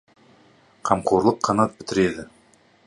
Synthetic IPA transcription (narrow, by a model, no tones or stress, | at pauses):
qʰɑmqʰoɾlˠəqʰːɑnɑt̪̚bɪt̪ɪɾe̞d̪ɪ